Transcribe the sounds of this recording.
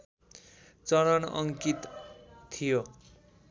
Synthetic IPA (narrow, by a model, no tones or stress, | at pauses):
t͡sʌɾʌnʌ̰ŋkit̪t̪ʰijo